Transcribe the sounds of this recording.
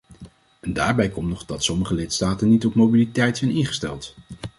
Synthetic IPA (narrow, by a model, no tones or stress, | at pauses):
ɛndaːɹbɛjkɔmnɔχdɑtsɔməχəlɪtstaːtənitɔpmowbilitɛjtsɛjnɪnχə̥stɛ̰lˠt